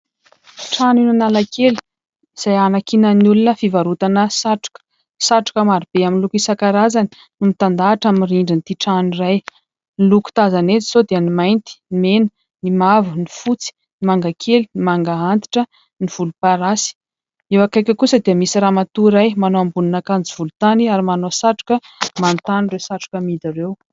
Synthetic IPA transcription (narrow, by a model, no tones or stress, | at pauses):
ʈ͡ʂaninanalakʰeli̥ | iz̥ajanakinənulunəfivaɾut̪anəsaʈ͡ʂu̥k | saʈ͡ʂu̥kəmaɾib̥eaminlukisakaɾazani̥ | numit̪and̪aːʈ͡ʂamiiriɳɖ͡ʐint̪iʈ͡ʂaniraj | niluku̥t̪azanet͡si̥zod̪eənimajnt̪i̥menə | nimavunifut͡si̥ | nimaŋɡakʰelinimaŋɡaant̪i̥ʈ͡ʂə | niv̥ulupaɾasi̥ | ewakajkʲəkusəd̪iəmisiramat̪uɾajmanoambuninakand͡ziv̥ulut̪aniaɾimanosaʈ͡ʂu̥kə | mant̪anirewsaʈ͡ʂu̥kəmid̪iɾew